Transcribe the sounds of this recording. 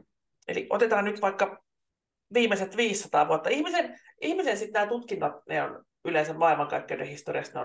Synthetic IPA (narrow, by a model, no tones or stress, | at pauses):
elḭʔʔo̰t̪et̪ɑːnnyt̪ʋɑikːɑ | ʋiːmːˑeset̪ʋiːsːɑt̪ɑ̰ːʋuot̪ːɑihmisen | ʔihmisensit̪næːt̪ut̪kinːɑt̪neo̰n | yleisemmɑilmɑŋkɑ̰ikːeydehist̪orḭɑst̪neo̰